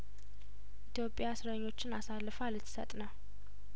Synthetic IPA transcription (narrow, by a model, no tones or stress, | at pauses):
ʔit̪ʰjo̞pʼːjasɨɾəɲːo̞t͡ʃːɪnasalːɨfalɨt̪ʰːsə̰t̪ʼnə